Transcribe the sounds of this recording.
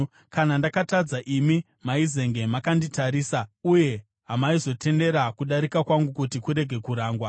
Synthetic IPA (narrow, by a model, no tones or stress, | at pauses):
kanandakatad͡zaʔimi | maize̞ŋɡe̞makanditaɾiːsauje̞ | ɦamaizo̞tʰe̞nde̞ɾakuɗaɾikakwaŋɡukutikuɾe̞ɡʱe̞kuɾaːŋɡwa